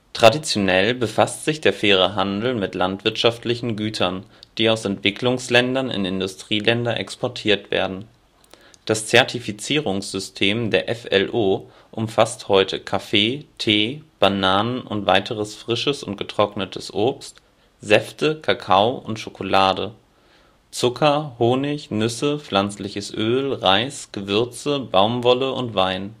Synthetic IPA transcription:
tʁ̥adit͡sjonɛlbəfastz̥ɪçd̥eːɐfeːʁ̞əɦandl̩mɪtlantv̥ɪɐtʃaftlɪçn̩ɡyːtʰɐnd̥iːaʊsɛntv̥ɪklʊŋslɛndɐnɪ̰nɪndʊstʁ̥iːlɛndɐnʔɛ̰kspɔɐtʰiːɐtv̥ḛːɐdn̩ | d̥ast͡sɛɐtʰifit͡siːʁʊŋsz̥ʏstʰeːmdeːɐʔɛfɛlʔoː | ʔʊmfasthɔʏtʰəkʰafeːtʰeːb̥anaːnənʔʊ̰ntv̥a̰ɪtʰəʁəsfʁ̥ɪʃəsʊntɡ̥ətʁ̥ɔknətʰəsʔoːpst | zɛftəkʰakʰaʊʊntʃokʰolaːdə | t͡sʊkʰɐhoːnɪçnʏsəflant͡slɪçəsʔøːlʁaɪsɡ̥əvʏɐt͡səbaʊmvɔləʔʊntv̥aɪn

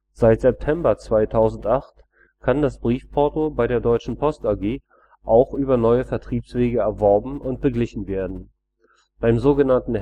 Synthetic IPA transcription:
z̥aɪtz̥ɛp̚tʰɛmbɐt͡sv̥aɪtʰaʊzn̩tʔaχt | kʰandasb̥ʁiːfpʰɔɐtobaɪɾeːɐdɔʏt͡ʃn̩pʰɔstaɐɡeː | ʔaʊxʔyːbɐnɔʏəfɛɐtʁ̥iːpsv̥eːɡəɛɐvɔɐbm̩ʊnt̚b̥əɡlɪçn̩veːɐdn̩ | b̥aɪmzoːɡənantn̩

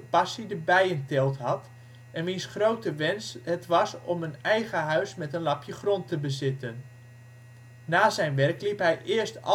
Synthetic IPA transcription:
əpɑsidəbɛjəntɪlˠtɦɑt | ɛnmɪnsχrowtəʋɛnsɦətʋɑsɔmənɛjɣəɦœɥsmɛtənlɑpʰjəχrɔntəbəzɪtən | aːzɛjnʋɛrklipɦɛjʔɪəɹstɑ

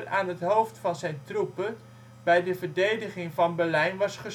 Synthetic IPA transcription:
ra̰ːnɦətɦowftfɑnzɛjntrupə | bɛjdəvəɹdejdəχɪŋvɑnbɛɹlɛjnʋɑsχə

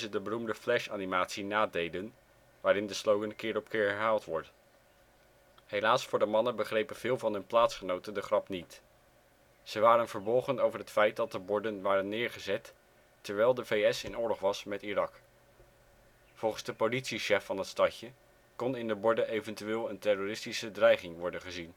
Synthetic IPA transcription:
zədəbərumdəflɛʃaːnimaːtsinaːdejdən | ʋaːɾɪndəslowɡənkɪːɹɾɔpkɪːɹɦɛɹɦaːlˠtʋɔɹdə | ɦelaːsfʊːɹdəmɑnənbəχrejpənv̥ɪːlˠvɑnɦɵnplaːtsχənowtəndəχrɑpnit | z̥əʋaːɾənvəɹbɔlˠχənowvəɹɦətfɛjt̚dɑt̚dəbɔɹdənʋaːɾənːɪːɹχəzɛtː | əɹʋɛjlˠdəvejɛsɪnʊːɹlɔχʋɑsmɛtirɑk | v̥ɔlˠχənzdəpolitsiʃɛfːɑnɦətstɑcə | kɔnɪndəbɔɹdəʔejvəntyʋɪːlˠəntɛroːrɪstisədrɛjχɪŋʋɔɹdənχəzin

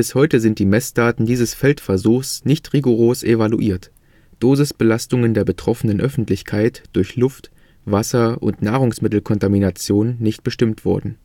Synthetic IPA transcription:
b̥ɪshɔʏtəzɪnt̚d̥iːmɛsd̥aːtn̩diːzəsfɛltfɛɐzuːxsnɪçtʁiɡoʁ̞oːsʔevaluʔiːɐt | d̥oːzəsb̥əlastʊŋəndeːɐbətʁ̥ɔfənənʔœfn̩tlɪçkʰaɪtd̥ʊɐçlʊft | vasɐʔʊ̰ntnaːʁ̞ʊŋsmɪtl̩kʰɔntaminat͡sjoːnːɪçtb̥əʃtɪmtv̥ɔɐdn̩

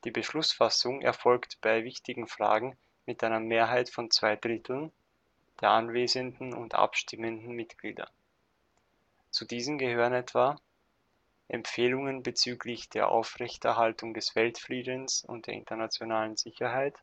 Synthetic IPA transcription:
d̥iːbəʃlʊsfasʊŋʔɛ̰ɐfɔlktb̥aɪvɪçtɪɡŋ̩fʁ̥a̰ːɡŋ̩ | mɪtʔaɪnɐmeːɐɦaɪtfɔnt͡sv̥aɪdʁɪtʰl̩n | d̥eːɐʔanveːzəndn̩ʊ̰ntʔa̰pʃtɪməndn̩mɪtɡ̥lḭːdɐ̰ | t͡sudiːzəmɡəhøːʁənɛtv̥a | ʔɛmfeːlʊŋənbət͡syːklɪçd̥eːɐʔa̰ʊfʁɛçtɛ̰ɐɦaltʊŋdɛsv̥ɛltfliːdənsʊ̰ntd̥eːɐɪ̰ntɐnat͡sjonaːlənzɪçɐɦaɪt

